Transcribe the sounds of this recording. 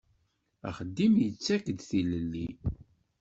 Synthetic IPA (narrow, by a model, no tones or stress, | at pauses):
æ̰χəd̪ːimjət͡sːækd̪θiləlːi